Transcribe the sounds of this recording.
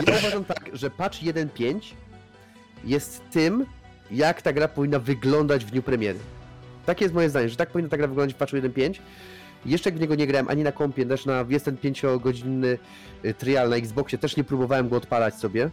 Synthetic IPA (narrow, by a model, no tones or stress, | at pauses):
jauvaʐamt̪akʐɛpat͡ʂjɛd̪ɛnpʲjeɲt͡ɕ | jɛst̪ːɘm | jakt̪aɡɾapɔvʲinːavɘɡlɔnd̪ad͡ʑvd̪ɲupɾɛmʲjɛɾɘ̰t̪akʲɛjɛst̪mɔjɛzd̪aɲɛʐɛt̪ak̚pɔvʲinːat̪aɡɾavɘɡlɔ̃nd̪at͡ɕfpat͡ʂujɛd̪ɛnpʲjeɲt͡ɕ | jɛʂt͡ʂɛjaɡvɲɛɡɔɲɛɡɾawɛmʔa̰ɲinakɔmpʲjɛt̪ɛʂnajɛsd̪ɛnpʲjeɲt͡ɕɔɡɔd͡ʑinːɘ | t̪ɾjalnaiɡzbɔkɕɛt̪ɛʂɲɛpɾubɔvawɛmɡɔːt̪palat͡ɕsɔbʲjɛ